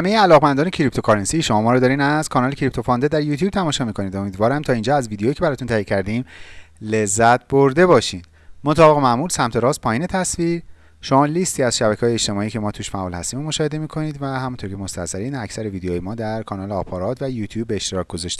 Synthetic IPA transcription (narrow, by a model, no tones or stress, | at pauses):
hæmejeælɒːɣmænd̪ɒːnecʰɾip̚t̪ʰokʰɒɾensiʃo̞mɒːmɒːɾɔd̪ɒːɾiːnæz̥kʰɒːnɒːlecʰɾip̚t̪ʰo̞fɒnd̪ed̪æɾjuːt̪ʰjuːb̚t̪ʰæmɒːʃɒːmiːkʰo̞niːd̪o̞miːd̪vɒːɾæmt̪ʰɒːind͡ʒɒːæzviːd̪ejojiːcʰeæɾɒːt̪ʰunt̪ʰæːjecʰæɾd̪iːmle̞zːæt̪ʰboɾd̪e̞bɒːʃiːnd̪ | mot̪ʰɒːbeɣemæʔmuːlsæmt̪ʰe̞ɾɒːs̚pʰɒːjiːne̞t̪ʰæsviːɾ | ʃo̞mɒːlist̪ʰiːæz̥ʃæbæcʰːjeːʃt̪e̞mɒːiːcʰe̞mɒːt̪ʰuːʃfæʔɒːlhæ̰st̪iːmomoʃɒːhe̞d̪e̞miːkʰo̞niːd̪væhæmunt̪ʰoɾkcʰemost̪æ̰sæɾiːnæcʰsæɾeviːd̪ejoːjemɒːd̪æɾkʰɒːnɒːleɒːpʰɒɾɒːt̪ʰvæjuːt̪ʰjuːb̚ːeːʃt̪eɾɒːc̚ʰɡ̥o̞zɒʃt̪e̥